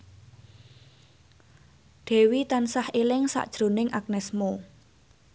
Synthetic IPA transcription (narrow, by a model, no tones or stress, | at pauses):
ɖ̪̥e̤wit̪ansahelɪŋsa̰ʔd̥ʒ̥ɾo̤nɪŋʔak̚nɛsmo